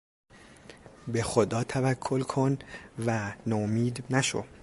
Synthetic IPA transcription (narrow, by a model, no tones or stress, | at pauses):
be̞xod̪ɒːt̪ʰævækʰːolkʰonvænomiːd̪næʃo̰